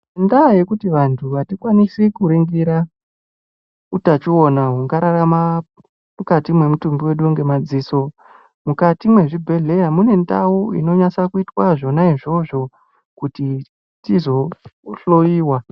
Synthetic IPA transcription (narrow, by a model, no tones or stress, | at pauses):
ndaje̞kutiʋantʰuʋatikwanisikuɾeŋɡeɾa | utat͡ʃionaɦuŋɡaɾaɾama | mukatimwe̞mutumbiwe̞ɗuuŋɡe̞mad͡ziso̞ | mukatimwe̞ʐibʱe̞ɮe̞jamune̞ndauḭno̞ɲasakuitwaʐo̞naiʐo̞ʐo̞ | kuti | tizo̞ɬojiːwa